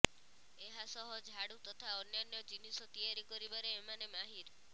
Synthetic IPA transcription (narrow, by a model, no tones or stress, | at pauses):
eɦasɔɦɔd͡ʒʱɦaɽut̪ɔt̪ʰaɔnjanjɔd͡ʒinisɔt̪ijaɾikɔɾibaɾeːmanemaɦiɾ